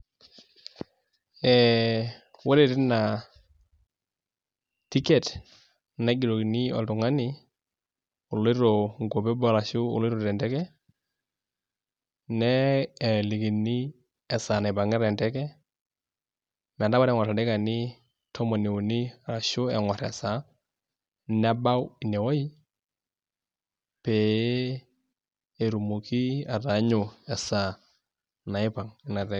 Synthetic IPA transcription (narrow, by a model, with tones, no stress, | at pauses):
ɛ | wɔ˦ɾɛ˨ɾɪ˦na˨ | ti˦kɛ˨t | na˦ɡi˨ɾo˨ki˨ni˦ɔ̰˨ltu˨ŋa˦ni˨ | ʊ˨le˦ɾɔ˨ŋɡo˨bɛ˦bɔ˦ɾa˨ʃʊ˦ʊ̰˨le˦ɾɔ˨ɾɛ˨ndɛ˦kɛ˦ | nɛ˦ɛ˨li˨ki˨ni˦ | ɛ˨sa˨na˨ɪ˨pa˨ŋɛ˦ɾɛ˨ntɛ˦kɛ˦ | mɛ˨nda˦ba˦ɾɛ˨ŋɔ˨ɾa˨dɛ˦ka˨ni˦ | tʰɔ˦mɔ˨ni˨u˨ni˦a˨ɾa˨ʃʊ˦ɛ̰˨ŋɔ˨ɾɛ̰˨sa˨˦ | nɛ˦ba˦wi˨nɛ˨wɔ˦i˦ | pɛ˨ | e˨ɾu˨mu˨ki˦a˨ta˨˦ɲʊ˨ɛ˨sa˨ | na˨ɪ˦pa˨ŋɪ˦na˨ɾɛ˨